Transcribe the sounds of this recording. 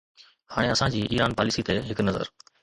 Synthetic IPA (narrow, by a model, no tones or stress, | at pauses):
haːɽeɐsãd͡ʑiːʔiːɾaːnpaːlɪsit̪eɦɪknɐzə̰ɾ